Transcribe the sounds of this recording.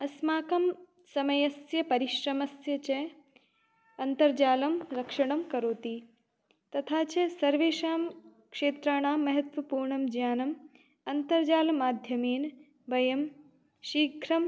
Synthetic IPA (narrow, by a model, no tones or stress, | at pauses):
ɐsmaːkɐm | sɐmɐjɐsjɐpɐɾiʃɾɐmɐsjɐt͡ʃe | ɐnt̪ɐɾd͡ʒaːlɐmɾɐkʂɐɽ̃ɐmkɐɾoːt̪i | t̪ɐt̪ʰaːt͡ʃesɐɾʋeːʃaːmkʂeːt̪ɾaːɳaːmːɐɦɐt̪ʋɐpuːɾɳɐmd͡ʒjaːnɐm | ɐnt̪ɐɾd͡ʒaːlɐmaːd̪ʱjɐmeːn | bɐjɐm | ʃiːɡʱɾɐm